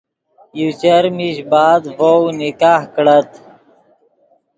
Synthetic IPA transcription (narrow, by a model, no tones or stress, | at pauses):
jut͡ɕəɾmiɕbaːd̪vownikaːhkɽət̪